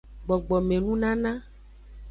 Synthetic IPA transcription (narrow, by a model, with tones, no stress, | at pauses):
ɡ͡bɔ˨ɡ͡bɔ˨mẽ˨nũ˦nã˦nã˦